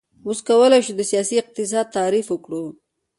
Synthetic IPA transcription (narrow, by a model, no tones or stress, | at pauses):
wuskawəlajʃud̪əsijɑsiɪq̚t̪ɪs̬ɑd̪̚t̪aɾifwəkɽu